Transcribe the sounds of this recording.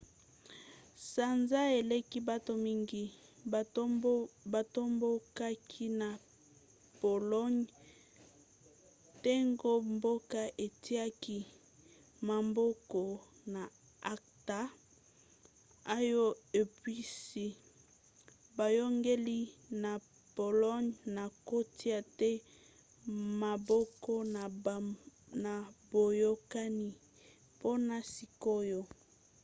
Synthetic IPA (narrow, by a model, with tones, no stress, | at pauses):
sa˨nza˦e˨le˦ki˦ba˦to˨mi˦ŋɡi˦ | ba˨to˦mbo˦ka˦kʰi˦na˨ | po˨lɔ˦ɲ | te˦ŋɡo˦mbo˦ka˦ʔe˨ti˦a˦ki˦ | ma˨mbo˦kɔ˨na˨ | a˦k̚ta˨ | a˦jo˦e˨pi˦si˦ | ba˨jɔ˦ŋɡe˦li˦na˨ | po˨lɔ˦ɲna˨ko˦ti˦a˨tɛ˦ | ma˨bɔ˦kɔ˦na˨ | na˨bo˨jo˦ka˦ni˦ | po˦na˨si˨ko˦jo˦